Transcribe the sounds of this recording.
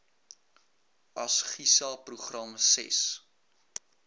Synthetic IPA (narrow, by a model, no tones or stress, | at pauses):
ɐsχisɑpruχrɐmsɛ̰s